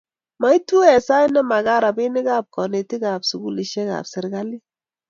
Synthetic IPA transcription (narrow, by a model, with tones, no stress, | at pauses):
ma˨˦i˦tu˦ɛ˨sa˦jnɛ˦ma˨ɡa˦ɾa˨bɪ˦nɪ˦kaː˦˨p̚kɔ˨ne˨ti˦ka˨psu˨ɡu˦li˨ʃɛ˦ka̰˨psɪ˨ɾɡa˦li˦